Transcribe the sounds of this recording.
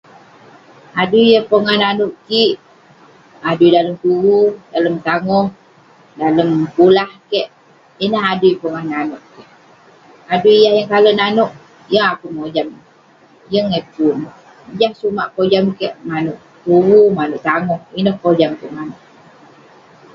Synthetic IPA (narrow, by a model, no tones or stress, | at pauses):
aduijəpəŋahnanuʔkiʔ | adujdaləmt̪uwudaləmt̪aŋɔh | daləmpulahkɛʔ | inəɦaduipəŋahnanuʔkɛʔ | aduijahjaŋkalənanɔʔ | jəŋakuŋod͡ʒam | jəŋepun | jahsumaʔkod͡ʒamkɛʔmanuʔ | t̪uwumanuʔt̪aŋɔhinəhkod͡ʒamkuʔmanuʔ